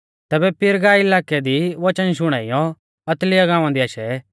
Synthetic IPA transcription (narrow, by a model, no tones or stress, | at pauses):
t̪ɛːbɛpʰɪɾɡaːiɪlaːkɛd̪iʋɐt͡ʃənʃ̬ʊɽ̃aːijɔ̃ | ɐt̪lɪjaɡãːʋ̃ãd̪iaːʃɛ